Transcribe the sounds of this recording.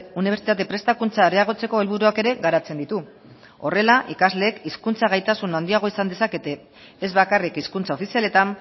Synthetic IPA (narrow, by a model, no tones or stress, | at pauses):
uniβ̞e̞ɾt͡sit̪at̪̬e̞pɾe̞st̪akunt͡saeɾeaɣ̞o̞t͡se̞ko̞e̞lβ̞uɾuake̞ɾe̞ɣaɾat͡se̞nd̪it̪u | o̞̰re̞laʔikazle̞ːkiskunt͡saɣ̞ajt̪asunand̪iaɣ̞o̞isand̪esake̞t̪e̞ː | zβakarikiskunt͡sao̞fisiale̞t̪am